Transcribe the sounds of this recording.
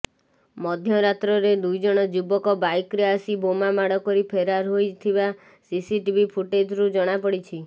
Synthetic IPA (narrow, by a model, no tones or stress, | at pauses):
mɔd̪ʱjɔɾat̪ɾɔɾed̪ujd͡ʒɔɽ̃ɔd͡ʒubɔkɔbajkɾeasibomamaɽɔkɔɾipʰeɾaɾɦojt̪ʰiba | sisiʈibʱipʰuʈed͡ʒɾud͡ʒɔɽ̃apɔɽit͡ʃʰi